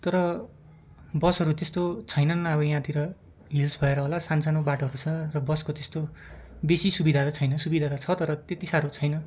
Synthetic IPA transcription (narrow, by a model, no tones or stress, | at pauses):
t̪ʌɾʌ | bʌsɦʌɾut̪est̪ot͡sʰʌjnʌnabʌjãt̪iɾʌ | ɦilsbʱʌeɾʌɦolasansanobaʈoɦʌɾut͡sʰʌrʌbʌskot̪est̪obesisubid̪ʱad̪ʌt͡sʰʌjnʌsubid̪ʱad̪at͡sʰʌt̪ʌɾʌt̪et̪isaɾot͡sʰʌjnʌ